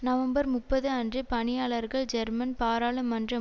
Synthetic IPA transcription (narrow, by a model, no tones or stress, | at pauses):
nɐʋɐmbɐɾmʊpːɐðɯɐndrɯpɐɳɪjaːɭɐɾɣɐɭd͡ʒɛɾmɐnpaːɾaːɭɯmːɐndrɐ